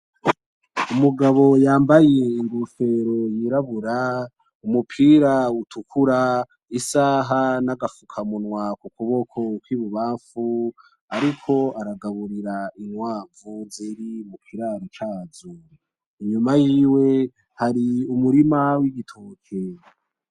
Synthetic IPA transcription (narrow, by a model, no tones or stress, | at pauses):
umuɡaβo̞jaːmbajeiŋɡofe̞ːɾo̞jiɾaβuɾa | umupʰiːɾautʰukʰuɾa | isaːɦanaɡafukʰamunwakukuβo̞kʰo̞kwiːβuβaːɱfu | aɾikʰo̞aɾaɡaβuɾiɾainwaːɱvuziɾimukʰiɾaɾit͡ʃaːzu | iɲumajiːwe̞ | haɾiumuɾimawiɡitʰoːkʰe